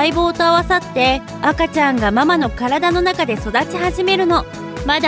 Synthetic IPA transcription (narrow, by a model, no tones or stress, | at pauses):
iboːt̪oaβasat̪ːe̞ | akat͡ɕãŋɡamamano̞kaɾad̪ano̞nakad̪e̞so̞d̪at͡ɕihaʑime̞ɾɯ̟no̞ | mad̪a